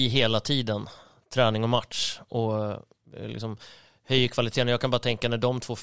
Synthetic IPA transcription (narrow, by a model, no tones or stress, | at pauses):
ɦeːlat̪ʰiːd̪ən | t̪ʰɾɛːnɪŋɔmat̪ʂɔ | lɪ̰ksɔm | hœjəkʰvalɪt̪ʰeːnjaɡkʰanbɑːɾat̪ʰɛŋkanæɖɔmt̪ʰvoː